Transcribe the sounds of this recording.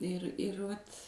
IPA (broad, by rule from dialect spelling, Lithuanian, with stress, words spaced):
ɪr ɪr ˈʋɐt